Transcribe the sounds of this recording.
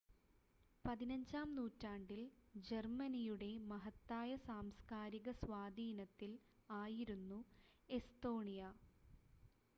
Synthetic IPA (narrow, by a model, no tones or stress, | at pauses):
pɐðinɐɲd͡ʑaːmnuːtːaːɳɖild͡ʑermɐnijuɽe̞mɐɦɐt̪ːaːjɐsaːmskaːɾiɣɐsʋaːd̪ʱiːnɐt̪ːilaːjiɾunːu | e̞st̪o̞ːɳijɐ